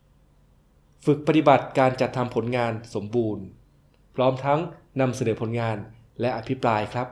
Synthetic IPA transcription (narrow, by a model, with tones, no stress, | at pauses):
fɯ˨˩k̚pa˧t̪i˨˩ba˨˩t̪̚kaː˧nt͡ɕa˨˩t̪ʰːa˧mpʰo˩˦nŋaː˧nso˩˦mbuː˧n | pʰɾɔː˦˥mt̪ʰa˦˥ŋ | na˧msa˧nɤː˩˦pʰo˩˦nŋaː˧n | lɛ˦˥ʔa˧pʰi˦˥pɾaː˧jkʰɾa˦˥p̚